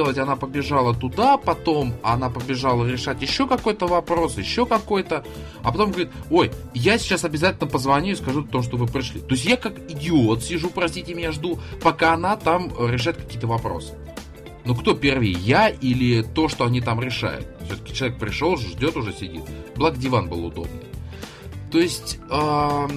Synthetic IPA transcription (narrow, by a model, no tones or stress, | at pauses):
elˠətʲɐnapəbʲɪʐalˠət̪ʊd̪apɐt̪o̞mɐnapəbʲɪʐalˠəɾʲɪʂatʲjɪɕːo̞kɐko̞jt̪əvɐpɾo̞sjɪɕːo̞kɐko̞jt̪ə | ɐpɐt̪o̞mɡəvɐɾʲit̪o̞j | jasʲɪ̥t͡ɕasɐbʲɪzatʲɪlʲnəpəzvɐnʲuɪskɐʐuɐt̪o̞mʂ̬t̪ovɨpɾʲɪʂlʲḭt̪o̞ɪsʲtʲjakakɪdʲɪo̞t̪sʲɪʐupɾɐsʲtʲitʲɪmʲɪnʲaʐd̪upɐkaɐnat̪amɾʲɪʂ̬ajʊt̪̚kɐ̥kʲijət̪əvɐpɾo̞̰sɨ̥ | nukt̪o̞pʲervɪjjaʔilʲɪt̪o̞ʂt̪o̞ɐnʲit̪amɾʲɪʂa̰jʊ̰t̪sʲot̪ə̥kʲɪ̥t͡ɕɪlˠɐvʲek̚pɾʲɪʂo̞lˠʐʐdʲo̞t̪ʊʐɛsʲɪdʲḭt̪̚blˠaɡdʲɪvanbɨlˠʊ̰d̪o̞̰bnə̰ | t̪o̞ɪsʲtʲə